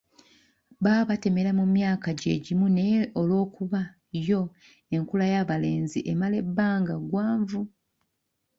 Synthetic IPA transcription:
βaːβate̞me̞lamumjaːkaɟe̞̰ːɟimuneolwo̞ːkuβa | jo̞ | e̞ŋkulajaβale̞ːnziʔemale̞bːaːŋɡaɡwaːɱvu

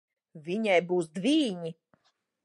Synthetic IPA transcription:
vʲiɲajbuːsd̪viːɲi

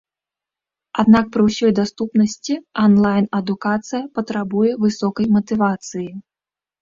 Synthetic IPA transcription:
ad̪nak̚pɾɨwsʲɔjd̪ast̪upnɐsʲt͡sʲiɐnlˠajnɐd̪ukat̪sɨjɐpɐt̪ɾabujɛvɨsɔkɐjmɐt̪ɨvat̪sɨji

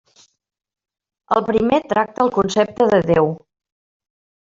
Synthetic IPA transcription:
əlˠpɾimet̪ɾak̚t̪əːlˠkunsep̚t̪əðəðew

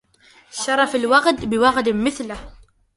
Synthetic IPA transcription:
ʃɑɾˤɑfalwaqd̪bɪwɑɣd̪mɪθlah

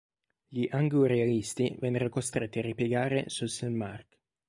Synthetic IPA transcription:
ʎiʔaŋɡuɾealist̪ivɛnːeɾokost̪ɾet̪ːiaripjeɡaːɾḛsuselmark

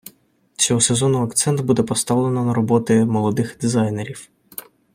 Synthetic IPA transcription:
t͡sʲɔɦɔsezɔnʊɐkt̪sɛnt̪bud̪ɛpɔst̪ɑwlˠenɔnɐɾɔbɔt̪ɪmɔlˠɔd̪ɪxd̪izɑjneɾʲiw

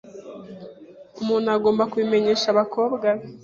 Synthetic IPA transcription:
umuːnuaɡo̞ːmbakwime̞ɲe̞ːʃaβako̞ːbɡa

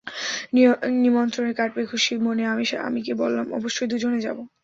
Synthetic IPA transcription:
nnimɔnt̪ɾoneɾkaʈ̚bekʰuʃimoneamiʃa̰mikebolːamɔ̰boʃːojd̪ud͡ʑʱoned͡ʑa̰bo

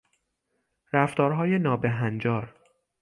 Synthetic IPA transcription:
ɾæft̪ɒːɾɦɒːje̞nɒːbeɦænd͡ʒɒːɾ

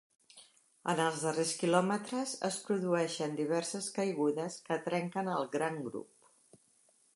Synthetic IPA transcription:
ə̰nəlˠzðəreskilɔmət̪ɾəzəspɾuðuɛʃənd̪iβ̞ɛrsəskəjɣ̞uðəskət̪ɾɛŋkənəlˠɡɾaŋɡɾṵp̚

